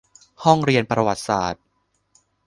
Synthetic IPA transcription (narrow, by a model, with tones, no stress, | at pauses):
hɔ˥˩ŋɾi˧ənpɾa˧wa˨˩t̪̚saː˨˩t̪̚